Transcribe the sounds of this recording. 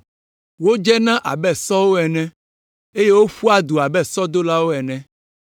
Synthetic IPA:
wo˦d͡ʒɛ˦nã˦ʔa̰˨bɛ˦sɔ˦wo˦ɛ˨nɛ̃˦ | e˦je˦wo˦ɸu˦a˦d̪u˨a˨bɛ˦sɔ˦d̪o˦la˦wo˦ɛ˨nɛ̃˨

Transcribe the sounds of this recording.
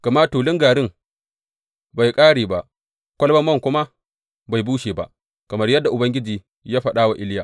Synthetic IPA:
kɐ˨ma˦tuː˨lɪ˦ŋɡaː˨ɽɪ˦ŋ | ba˨jkʼaː˦ɽiː˨ba˨ʔ | kʷɐ˦lbɐ˦mːɐ˦˨ŋkʷʊ˦ma˦ | ba˨jbuː˦ʃeː˨ba̰˦ʔ | kɐ˨mɐ˦rjɐ˦dːa˨ʔʊ˨bɐ˦ŋɡʲɪ˦d͡ʒiː˨ | jaː˦ɸɐ˦ɗaː˦wa˨ʔɪ˦ljaː˨

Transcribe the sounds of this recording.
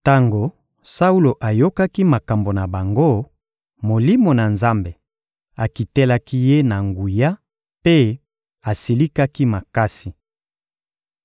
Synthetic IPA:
ta˦ŋɡo˨ | sa˦u˦lo˨ʔa˨jo˦ka˦ki˦ma˨ka˨mbo˨na˨ba˨ŋɡo˦ | mo˨li˦mo˨na˨nza˦mbe˨ | a˨ki˨tɛ˦la˦ki˦je˦na˨ŋɡu˨ja˦ | pe˦ | a˨si˨li˦ka˦ki˦ma˨ka˦si˨

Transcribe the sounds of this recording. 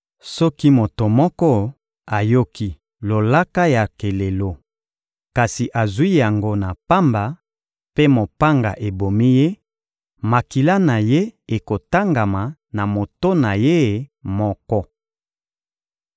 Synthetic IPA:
sɔ˦ki˦mo˨to˨mɔ˦kɔ˦ | a˨jo˦ki˦ | lo˨la˦ka˦ja˨ke˨le˨lo˦ | ka˨si˨ʔa˨zwi˦ja˨ŋɡo˦na˨pa˦mba˨ | pe˦mo˨pa˦ŋɡa̰˨ʔe˨bo˨mi˦je˦ | ma˨ki˨la˦na˨je˦e˨ko˨ta˦ŋɡa˨ma˨na˨mo˨to˦na˨je˦˨mɔ˦kɔ˦

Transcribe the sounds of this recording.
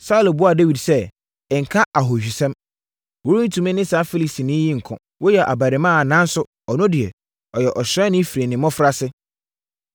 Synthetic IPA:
saː˦lo˨bʊ˦a˨de˦wi˨dsɛ˦ | ɛ˨ŋ̩˨kʰã˦ʔa˨ɦo˨ɕᶣi˨sɛ̃˦m | wo˦ɾũ˦n̩˦tʰũ˨mɪ̃˦nɪ̃˦sa˨˦fi˦li˨si˨nɪ̃˦ji˦ŋ̩˨kʰɔ̰̃˨ | wʔo˦jɛ˨ʔa˨ba˨ɾɪ˨mã˦˨nã˦n˦sʊ˦ | ɔ˨nʊ̃˦dɪ˨ɛ˨ | ɔ˨jɛ˨ʔɔ˨ɕɾɛ˦nɪ̃˦fi˨ɾe˨nɪ̃˨mɔ̃˦fɾa˦sɪ˦

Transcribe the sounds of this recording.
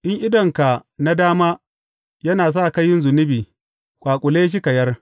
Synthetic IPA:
ʔɪ˦ŋʔɪ˦dɐ˨ŋka˨na˦daː˦maː˦ | jɐ˦naː˨s̬aː˦˨ka˦jːɪ˦nzʊ˨nɪ˦biː˨ | kʷʼaː˨kʷʼʊ˨leː˦ʃ̬ɪ˦kɐ˨jɐ˦r

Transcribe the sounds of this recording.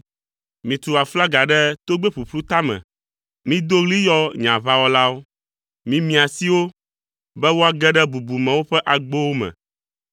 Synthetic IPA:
mĩ˨t̪u˨a˨fla˦ɡa˨ɖɛ˦t̪o˦ɡ͡bɛ˦ɸu˨ɸlu˦t̪a˦mɛ̰̃˨ | mĩ˦d̪o˦ɣli˦jɔ˦ɲ˨ã˨va˦wɔ˦la˦wo˦ | mĩ˦mĩ˨a˨si˦wo˦ | bɛ˦wo˦a˨ɡɛ˦ɖɛ˦bu˨bu˨mɛ̃˨wo˦ɸɛ˦ʔa˨ɡ͡bo˦wo˦mɛ̰̃˨

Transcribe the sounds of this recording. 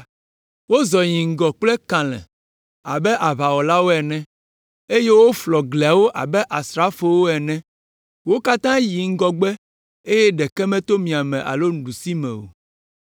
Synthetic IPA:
wo˦zɔ˨ɲĩ˨ŋ̩˦ɡɔ˨k͡plɛ˦kã˨lɛ̰̃˨ | a˨bɛ˦ʔa˨βa˨wɔ˨la˦wo˦ɛ˨nɛ̃˦ | e˦je˦wo˦flɔ˨ɡlɛ˨a˨wo˦ʔa˨bɛ˦ʔa˨sɾa˦fo˦˨wo˦ɛ˨nɛ̃˦ | wo˦ka˦t̪ã˦ji˨ŋ̩˦ɡɔ˦ɡ͡bɛ˦ | e˦jɛ˦ɖɛ˨kɛ˦mɛ̃˦t̪o˦mĩ˨a˨mɛ̃˨ʔa̰˨lo˦n̩˨ɖu˨si˦mɛ̰̃˨wo̰˨

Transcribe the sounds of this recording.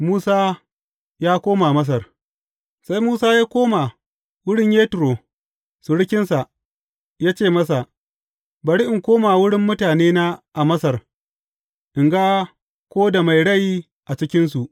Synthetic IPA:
muː˦saː˦ | jaː˦kʷoː˦ma˨mɐ˦s̬ɐ˨r | sa˦jmuː˦saː˦jaː˦kʷoː˦ma˨ | wʊ˦ɽɪ˦ɲjeː˦tɪ˨ɾoː˨ | su˨ɽɪ˦kʲɪ˦nsa˨ʔ | jaː˦t͡ʃeː˦˨mɐ˦sa˨ʔ | ba˨ɽi˦ʔɪ˨ŋkʷoː˦ma˨wʊ˦ɽɪ˦mːʊ˦taː˨neː˦naː˦ʔa˨mɐ˦sɐ˨r | ʔɪ˨ŋɡa˦ | kʷoː˦da˨ma˨jɽɐ˦˨j | ʔa˨t͡ʃɪ˦kʲɪ˦nsu˨ʔ

